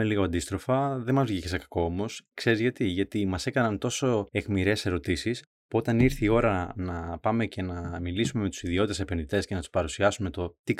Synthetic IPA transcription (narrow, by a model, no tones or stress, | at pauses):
eliɣoɐnd̪ist̪ɾo̞fɐðe̞mɐzvʝecesekɐ̥ko̞o̞mo̞skse̞ɾizʝɐt̪iʝɐt̪imɐse̞kɐnɐnt̪o̞so̞e̞ɣmiɾe̞se̞ɾo̞t̪isis | puo̞t̪ɐniɾθiio̞ɾɐnɐpɐme̞ce̞nɐmilisume̞me̞t̪u̥siðioit̪esepe̞nðit̪e̞sce̞nɐt̪u̥spɐɾusiɐsume̞t̪o̞t̪ik